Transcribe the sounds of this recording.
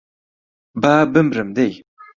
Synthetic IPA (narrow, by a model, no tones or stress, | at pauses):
baːbəmɾəmd̪ej